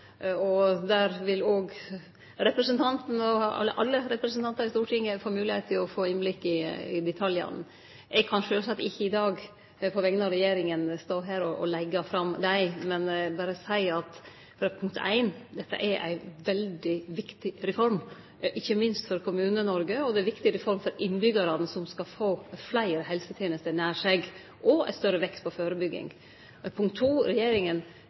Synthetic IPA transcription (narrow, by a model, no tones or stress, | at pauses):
ɔd̪æɾʋɪloːɡ | ɾɛpɾəsənt̪ʰɑnt̪n̩ɔɑ̰lːəʔɑ̰lːəɾɛpɾɛsnt̪ɑnt̪ɑɾɪst̪uːʈʰɪŋːəfoːɾmʉːlɪhet̪t̪ʰːɪlɔfoːɪnblɪkːɪɪd̪ɛt̪ʰɑljɑ̰n | ʔɛɡkʰɑnʂøːlsɑt̪ːɪçːəɪd̪ɑːɡ | pʰɔʋɛɡnɑɾɛjeːɾɪŋənst̪oːɦæːɾɔʔɔlɛɡːɑfɾɑmd̪æɪmɛnbɑːɾəsæɪɑt̪ | fɾɑpʰʊŋkt̪ʰæ̰ɪnd̪ɛt̪ːə̰ʔɛɾʔæ̰ɪʋɛld̪ɪʋɪkt̪ɪɾɛfɔɾm | ʔɪçːəmɪnst̪fɔɾkʰʊmʉːnənɔɾɡəɔd̪ɛæʋɪkt̪ɪɾɛfɔɾmfɔɾɪnːbʏɡɑɾɑnsɔmskɑfoːflæɪɾəɦɛlsət̪ʰeːnəst̪ənæːʂeɡ | ʔɔɛ̰t̪st̪œɾəʋɛkst̪pʰɔføːɾəbʏɡːɪ̰ŋ | pʰʊŋkt̪ʰːuːɾɛjeːɾɪŋən